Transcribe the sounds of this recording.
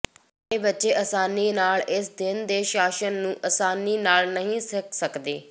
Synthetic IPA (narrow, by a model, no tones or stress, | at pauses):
eːbɪtːt͡ʃeːʔəsaːniːnaːlɪsd̪ɪnd̪eːʃaːʃənːũːʔəsaːniːnaːlnəɦĩːsɪksəkd̪eː